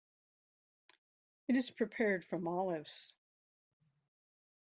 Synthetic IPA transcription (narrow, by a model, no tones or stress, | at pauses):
ɨɾɨz̥pʰɹ̥ipʰɛɹd̥fʌ̃mɑlˠɨvz̥